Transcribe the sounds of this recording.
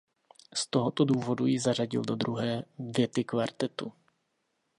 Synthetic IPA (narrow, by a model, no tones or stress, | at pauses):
st̪o̞ɦot̪o̞duːvo̞dujɪzar̝aɟɪ̰ldo̞d̪ɾuɦɛːvjɛt̪ɪkvaɾt̪ɛt̪u